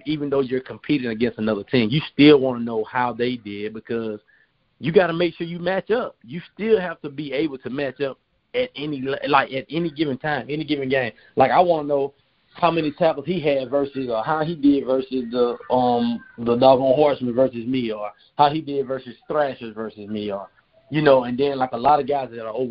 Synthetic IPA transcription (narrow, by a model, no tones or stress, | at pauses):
ivɨ̃nðoʊjə˞kʰm̩pʰiɾɪ̃ŋɨɡɛ̃nstɨnʌðə˞tʰɪ̃ŋjɨstɪlˠwɑ̃nənoʊhaʊðeɪdɪd̚bɨkʰʌz̥ | jɨɡɑɾəmeɪkʃʊɹjɨmæt͡ʃʌp̚jɨstɪlˠhæftɨbieɪbl̩ˠtʰɨmæt͡ʃʌp̚ | ɨɾɛnillaɪkɨɾɛniɡɪvɪ̃ŋtʰãɪ̃mɛniɡɪvɨ̃ŋɡẽɪ̃m | laɪkaɪwɑ̃nənoʊ | haʊmɛnitʰaɪpl̩ˠz̥hiɨdvɜ˞sɨzə˞haʊidɪdvɜ˞sɨzðəʌ̃mðədɑɡə̃nɦɔɹsmɨ̃nvɜ˞sɨzmiə˞ | haʊidɪdvɜ˞sɨz̥stɹæʃəzvɜ˞sɨzmiə˞ | jɨnoʊɨ̃nðɨ̃nlaɪkəlɑɾʌvɡaɪzðɨɾə˞oʊv